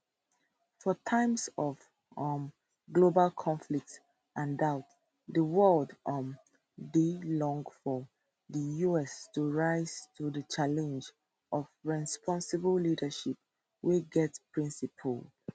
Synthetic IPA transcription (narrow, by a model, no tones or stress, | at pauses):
fɔtʰãɪ̃msɔv | m | ɡlobalkʰɔ̃ɱflik̚t | ʔãndaʊt | ðəwɜldʔʌ̃m | dilɔ̃ŋɡfɔ | ðəjuɛstuɹaɪz̥tʰuðət͡ʃalɛ̃nd͡ʒ | ʔɔvɹɛspʰɔ̃nsəbəllidəʃip̚ | wiɡɛtpʰɹĩnsipʰəl